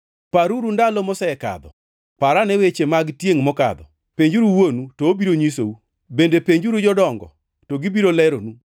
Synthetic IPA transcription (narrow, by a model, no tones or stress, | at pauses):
paɾuɾundalɔmɔsɛɛka̰d̪ɔ | paɾanɛwet͡ʃemaɡtjeŋmɔka̰d̪ɔ̰ | peɲd͡ʒuɾuwonutoːbiɾoɲisou | bendepeɲd͡ʒuɾud͡ʒɔdɔŋɡɔ̰ | toɡibiɾolɛɾonu